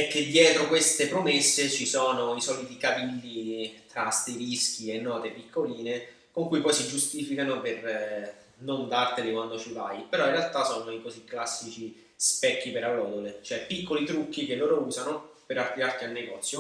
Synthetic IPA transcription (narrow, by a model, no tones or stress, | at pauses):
ɛkːed̪ːjɛːt̪ɾokwest̪epɾomesːet͡ʃisɔːnoisɔːlit̪ikavilːit̪ɾast̪eɾisk̟ienːɔːt̪epikʰːoliːne | koŋkujpɔjsid͡ʒust̪iːfikanoper | nond̪art̪elekwand̪ot͡ʃiva̰jpeɾɔĩnrːealt̪asɔːnoikosikːlasːit͡ʃi | spɛkːipeɾalːɔːd̪olet͡ʃoɛpːikːolit̪ɾukːik̟elːoːɾouːzanopeɾart̪iɾart̪ialneɡɔːt̪sːjo